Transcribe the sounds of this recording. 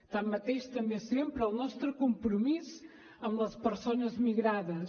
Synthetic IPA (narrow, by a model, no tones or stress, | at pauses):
t̪ammːɐt̪ejʃt̪ɐmbesempɾəlˠnɔst̪ɾukumpɾumiz | ɐmblˠəspəɾsonɐzmiɣɾaðɐs